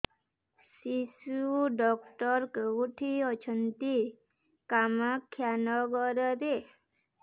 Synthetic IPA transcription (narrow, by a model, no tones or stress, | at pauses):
sisuɖɔkʈɔɾkuʈʰiɔt͡ʃʰənt̪i | kamakʰːjanɔɡɔɾɔɾe